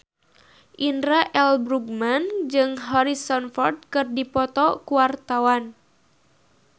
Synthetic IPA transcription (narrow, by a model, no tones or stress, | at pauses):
ʔindɾaʔɛlbɾuɡ̚mand͡ʒɨŋɦɔɾisɔnfɔrd̪̚kɨrdipɔt̪ɔkuart̪awan